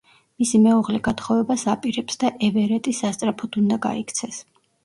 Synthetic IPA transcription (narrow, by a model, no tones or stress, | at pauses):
misimɛuʁlɛɡat̪χɔvɛbasapʼiɾɛpsd̪aʔɛvɛɾɛt̪ʼisast̪sʼɾapʰɔd̪und̪aɡa̰ikʰt̪sʰɛs